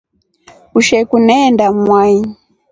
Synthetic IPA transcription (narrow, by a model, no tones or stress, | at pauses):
uʃɛkunɛndamwai